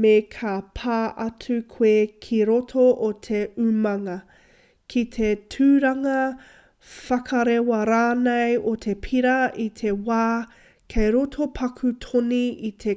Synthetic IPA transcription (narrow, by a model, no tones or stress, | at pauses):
mekʰapʰaːʔɐtʰʉkʰweːkʰiɾotʰoʔotʰeʉmɐŋɐ | kʰit̪ʰetʰʉːɾɐŋɐ | fɐkʰɐɾewɐɾaːnɐjotʰe̞pʰiɾɐʔit̪ʰewaː | kʰejɾotʰopʰɐkʰutʰoniit̪ʰe